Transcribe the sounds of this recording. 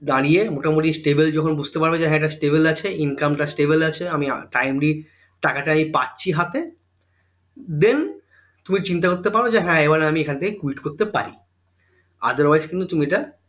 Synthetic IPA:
d̪aɽijemoʈamoʈisʈebeld͡ʑɔkʰonbud͡ʑʱt̪epaɾbed͡ʑeɦɛ̃ɛkʈasʈebelat͡ɕʰeinkamʈasʈebelat͡ɕʰeamia̰ʈajmɾi | ʈakaʈaamipatːɕʰiɦat̪e | d̪en | t̪umit͡ɕint̪akoɾt̪ːepaɾod͡ʑeɦɛ̃ebaɾnaamiekʰant̪ʰekekuiʈkoɾt̪epa̰ɾḭ | a̰d̪oɾwajzkint̪̬ut̪umiʈa

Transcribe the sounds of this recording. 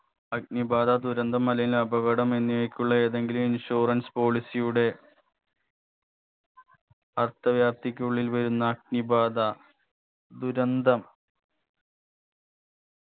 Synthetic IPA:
ɐk̚nibaːd̪ɐd̪uɾɐnd̪ʱɐmːɐlɐjilɐbɐʋɐɽɐme̞nːijojkʲːuɭːɐe̞ːðe̞ŋɡiluminɕoːrɐnspo̞ːɭisijuɽe̞ | ɐrt̪ɐʋjaːp̚t̪ikʲːuɭːilʋɐɾunːɐːk̚nibaːd̪ɐ | d̪uɾɐnd̪ʱɐm

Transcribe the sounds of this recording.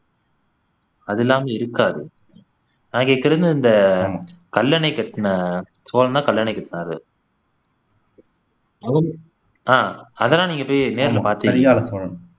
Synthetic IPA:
ɐðɪlːaːmɐɪɾɯkːaːðɯ | naːŋɡeːkːɪɾɐnd̪ɯɪnd̪ɐːmakɐlːɐnɐɪkːɐʈːɐnɐ | soːlɐnd̪ãːkɐlːɐɳɐɪkːɐʈːnaːɾɯ̰ | ɐʋɐ | ãːɐðɐlãːniːŋɡɐpːoːjneːɾɪlɐpaːɾt̪iːɐɾɪjaːlɐsɔnɐn

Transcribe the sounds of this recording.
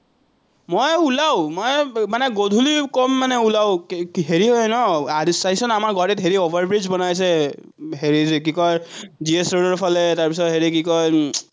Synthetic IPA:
mojulaʊmojmanɛɡodʱulikɔmːanɛulaʊɦeɹiɦɔjnɔadsasɔnamaɹɡɔɾitɦeɹiobʱaɹbɹid͡ʒbɔnajs̬ɛ | ɦeɹizk̬ikɔjziesɹodɔɹpʰɔlɛtaɹpisɔtɦeɹikikɔj

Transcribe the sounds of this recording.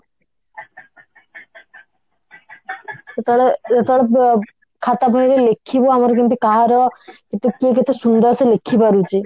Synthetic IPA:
t̪ɔɭeet̪ɔɭe | kʰat̪abʱɔjɾelekʰːiboamɔɾkint̪ikaɦaɾɔket̪ekieket̪esund̪ɔɾselekʰːipaɾut͡ʃʰi

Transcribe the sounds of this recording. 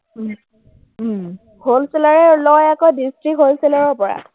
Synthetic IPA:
holselaɹɛlɔjakɔjdistɹikɦolselaɹɔɹpɔɹa̰

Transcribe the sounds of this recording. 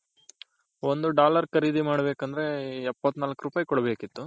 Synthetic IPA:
ond̪uɖaːlɐɾkɐɾiːd̪imaːɽɐbe̞ːkɐnd̪ɐɾe̞ɛpːɐt̪ːnaːlɐkɾupaːjikɔɽɐbe̞ːkit̪ːu

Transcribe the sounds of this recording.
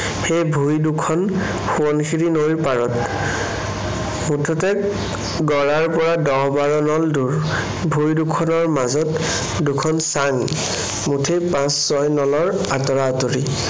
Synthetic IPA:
xejbʱujdukʰɔn | xuɔnkʰiɹinojɹpaɹɔt | mutʰɔtɛ | ɡɔɹaɹpɔɹadɔɦbaɹɔnɔlduɹ | bʱujdukʰɔnɔɹmazɔt | dukʰɔnsaŋ | mutʰejpãsːɔjnɔlɔɹ | atɔɹaɔtoɹi

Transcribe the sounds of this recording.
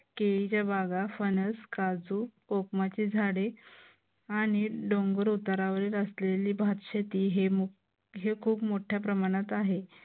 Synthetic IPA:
keit͡ɕjabaɡafənəskad͡zuː | okmat͡ɕiːd͡zʱaɽe | aɽ̃iɖoŋɡəɾut̪aɾaʋəɾiːləsleliːbʱat̪ɕet̪iːɦem | ɦekʰuːpmoʈʰjapɾəmaɽ̃at̪aɦe

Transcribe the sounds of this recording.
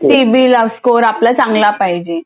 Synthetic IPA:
ʈibiːləʋskoɾaplat͡sãŋɡlapajd͡ʑe

